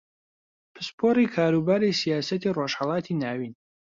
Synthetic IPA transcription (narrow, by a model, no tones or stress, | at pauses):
pʰɨspʰoːɾikʰaːɾubaːɾisijaːsɐt̪ʰiːroːʃhɑlˠɑːt̪ʰiːnaːwiːn